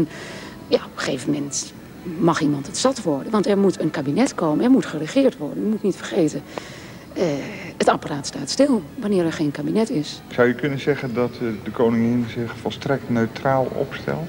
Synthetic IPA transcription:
n | jaopəxeːvəmɛnt | mɑximɑntətsɑtʋɔɹdəʋɑntɛɹmutənkabinɛtkoːməɛɹmutxərəχɪːɹtʋɔɹdənjəmutnitfərxeːtə | əətapəraːtstaːtstɪlˠʋanɪːɾɛɹxenkabinɛtɪsz̥awjəkɵnənzɛɣəndɔtdəkownɪŋɪnzɪxfɔlˠstrɛk̚tnøɥtraːlˠɔ̰pstɛ̰lˠt

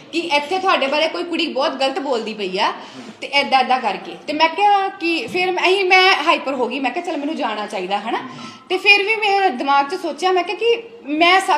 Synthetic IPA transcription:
kɪʔɛt̪ʰːeːt̪ʰʊaːɖeːbaːɾeːkoːiːkʊɽiːbɔːt̪ɡələt̪boːld̪iːpəiːaː | t̪eːʔɛːd̪aːd̪aːkəɾkeːt̪eːmɛ̃ːkaːkɪpʰɪɾmĩːmɛ̃ːɦaːiːpəɾɦoːɡiːmɛ̃ːkɛaːt͡ʃəlmɛːnũːd͡ʒaːɽ̃aːt͡ʃaːiːd̪aːɦəna | t̪eːpʰɪɾʋiːmɛ̃ːd̪ɪmaːɡ̚t͡ʃəsoːt͡ʃjaːmɛ̃ːkɪaːkɪ | mɛ̃ːsə

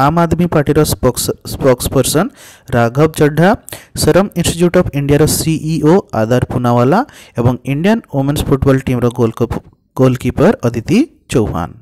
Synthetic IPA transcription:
aːmad̪mipaɾʈiɾɔsspɔkspəɾsən | ɾaɡʱɔb̚d͡ʒəɖʱːasəɾəminsʈiʈjuːʈɔpʰiɳɖijaɾɔsiʔiʔoa̰d̪ʱaɾpunaʋala | ebɔŋiɳɖijənomenspʰuʈbɔːlʈimɾɔ | ɡolkipəɾət̪it̪i | t͡ʃɔwɦa̰ːn

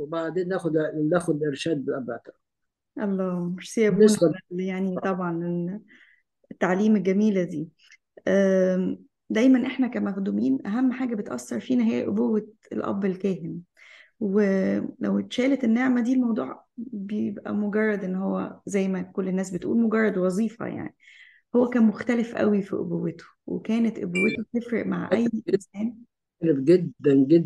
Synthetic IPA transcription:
maʕd̪eːnnæːxod̪næːxod̪ʔeɾʃæːd̪̚beʔæbæt̪ | ʔɑlˤːɑːmeʃsejːæosæljaʕnit̪ˤɑbʕɑnel | et̪ːaʕliːmelɡæmiːlæd̪iː | ʔæː | d̪æjmænʔeħnækæmæxd̪umiːnʔæɦæmːħaːɡæbet̪ʔɑ̰sːɑɾˤfiːnæɦæjæʔo̰bowːe | elʔɑ̰bːelkæːɦen | welæ̰wt̪ʃæːlet̪enːeʕmæd̪iːlmɑwd̪ˤṵːʕbejebʔæ̰moɡɑrˤːɑd̪ʔenːhowːæ̰zæjːmækolːenːæːs̬bet̪ʔuːlmoɡɑrˤːɑd̪wɑzˤiːfɑ̰ja̰ʕni | howːækæːnmoxt̪ælefʔæ̰wifḭʔo̰bowːet̪o̥wḛkæːnet̪ʔobowːet̪ot̪efɾḛʔmaʕʔæjːʔensæːn | lebɡed̪ːænɡe

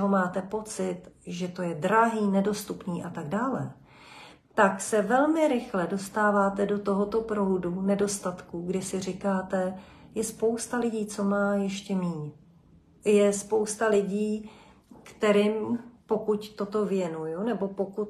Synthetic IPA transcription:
ɦo̞maːt̪ɛpo̞t͡sɪt̪ʒɛt̪o̞jɛd̪ɾaɦiːnɛdo̞st̪upniːʔat̪aɡdaːlɛ̰ | t̪aksɛvɛlmɪɾɪxlɛdo̞st̪aːvaːt̪ɛdo̞t̪o̞ɦo̞t̪o̞pɾo̞ɦudunɛdo̞st̪at̪kuɡdɪsɪr̝ɪkaːt̪ɛjɛspo̞wst̪alɪɟiːt͡so̞maːjɛʃcɛmiːɲ | jɛspo̞wst̪alɪɟiː | kt̪ɛɾɪmpo̞kuct̪o̞t̪o̞vjɛnujunɛbo̞po̞kut̪

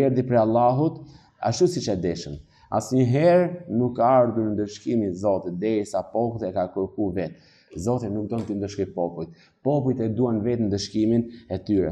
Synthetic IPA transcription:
ɛɾd̪ipɾɛalˠaɦut̪ | a̰ʃt̪usit͡ʃɛd̪ɛʃəm | a̰sɲəɦɛɾnukːaaɾd̪uɾnd̪əʃkimizɔt̪id̪ɛjsapɔkt̪ɛkakəɾkuvɛt̪̚ | zɔt̪inuk̚d̪ɔnt̪ind̪əʃkɔpɔpujt̪̚ | pɔp̬uit̪ɛd̪uanvɛt̪nd̪əʃkiminɛt̪yɾɛ̰

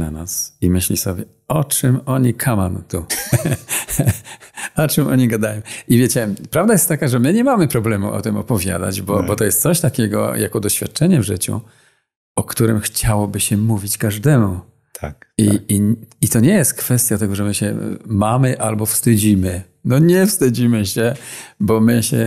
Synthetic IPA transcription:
na̰nasimɘɕlʲisɔbʲjɛ | ɔt͡ʂɘmɔɲikʰamant̪u | ɔt͡ʂɛmɔ̰ɲiɡad̪ajɔ̃w̃ivʲjet͡ɕɛpɾavd̪ajɛst̪ːakaʐɛmɘɲɛmamɘpɾɔblɛmṵʔɔ̰t̪ɘmɔpɔvʲja̰d̪a̰d͡ʑbɔbɔt̪ɔjɛst̪sɔɕt̪akʲɛɡɔ̰jʔa̰kɔd̪ɔɕfʲjat̪̚t͡ʂɛɲɛvʐɘt͡ɕṵ | ɔkt̪uɾɘmxt͡ɕawɔbɘɕɛmuvʲit͡ɕkaʐd̪ɛmu | t̪ʰakiiit̪ɔɲɛjɛst̪̚kfɛst̪jat̪ɛɡɔʐɛmɘɕɛ̰mamɘʔalbɔfst̪ɘd͡ʑimɘ | nɔɲɛfst̪ɘd͡ʑimɘɕɛbɔmɘɕɛ

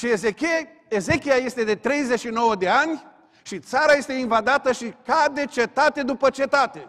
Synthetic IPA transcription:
ʃieze | eze̞kʲiaje̞st̪e̞d̪e̞t̪ɾe̞jzet͡ʃʃino̞wəd̪e̞anʲ | ʃit̪saɾaje̞st̪einvad̪at̪əʃikad̪e̞t͡ʃe̞t̪at̪e̞d̪upət͡ʃe̞t̪at̪e̞

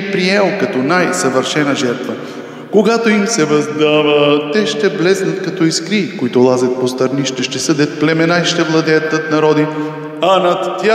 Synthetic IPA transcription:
pɾiɛlˠkɐt̪ɔnajsɐvəɾʃɛnəʒɛɾt̪və | koɡat̪oimsɛvɐzd̪avət̪ɛʃt̪ɛblɛsnɐt̪kɐt̪ɔiskɾikoit̪ʊlˠazɛt̪̚post̪ɐɾniʃt̪ɛʃt̪ɛsɤd̪ɛt̪̚plɛmɛnaiʃt̪ɛvlˠɐd̪ɛjət̪ːət̪nɐɾɔd̪i | ɐnɐt̪ːja

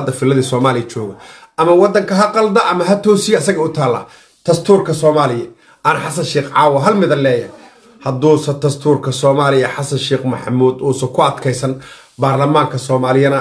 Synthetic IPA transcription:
ɐd̪ːɐfɪlɐðiːsɔːmaːlɪjɐt͡ʃɔːɣɐʔɐmɐwɑd̪ɐŋkʰɐɦɐqɑld̪ɐʔɐmɐɦɐt̪ʰɔːsɪjɐsɐɣɐʊt̪ʰaːlːɐ̰ | t̪ʰɐst̪ʰuːrkʰɐsɔːmaːlɪjɐ | ʔɐnɐħɑsɐnʃiːqʕɑːwɐɦɐlmɪðɐlɛːjɐ | hɐd̪uːsɐt̪ʰɐst̪ʰuːrkʰɐsɔːmaːlɪjɐħɑsɐnʃiːqmɐħɑmuːd̪uːsɔkʰʊɐd̪kʰɛjsɐn | baːrlɐmaːŋkʰɐsɔːmaːlɪjɐnɐ

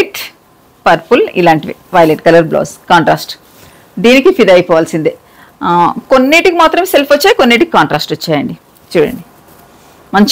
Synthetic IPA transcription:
ʈ | pɐɾpulḭlaːɳʈiʋḭʋɐjleʈkɐlɐɾblo̰ːskaːɳʈɾaːsʈ | d̪iːnikipʰid̪ɐjpɔːʋaːlsind̪i | ko̞nːeːʈikimaːt̪ɾɐmselpʋɐt͡ʃːaːjikonːeːʈiki̥kaːɳʈɾaːsʈɐt͡ʃːaːjɐɳɖi | t͡ʃuːɽɐ̰ɳɖi | mɐɲt͡ʃ

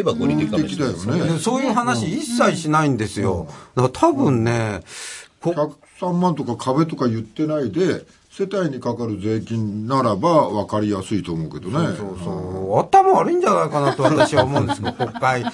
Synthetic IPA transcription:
ebaɡoieekʲid̪ajo̞ned̪eso̞ːjɯ̟ːɦanaɕiːsːaiɕinaĩnd̪e̞sɨjo̞̰d̪at̪ʰabɯ̟̃nːe̞ | kokak | sãmːãnt̪o̞kakʰaβe̞t̪o̞kajɯ̟t̪ːe̞naid̪e̞ | se̞t̪aiɲ̟ikakaɾɯ̟ze̞ːkʲĩnnaɾabaβakaɾʲijasɨit̪o̞ːmo̞ɯ̟ke̞d̪o̞neso̞ːsoːat̪amoaɾɯ̟ĩɲ̟d͡ʑanaikanat̪o̞βat̪aɕiβaomõ̞ːnd̪esɨkakõ̞kːai

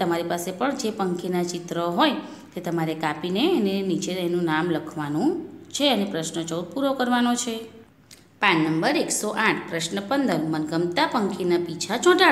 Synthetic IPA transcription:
t̪əmaɾipasepəɳd͡ʒepəŋkʰinat͡ʃit̪ɾəɦoj | t̪et̪əmaɾekapineənenit͡ʃed̪enũnamləkʰʋanũt͡ʃʰeənepɾəʃnət͡ʃəud̪̚puɾokəɾʋanot͡ʃʰe | pãnːəmbəɾeksoʔaʈʰpɾəʃnəpənd̪əɾmənɡəmt̪apəŋkʰinapit͡ʃʰat͡ʃʰɔ̃ʈa

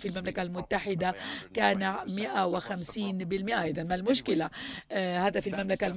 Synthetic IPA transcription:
filmamlakalmʊt̪ːaħɪd̪akaːnamɪʔawɪxamsiːnbɪlmɪʔaʔajd̪ɑnmalmʊʃkɪla | haːd̪afilmamlakal

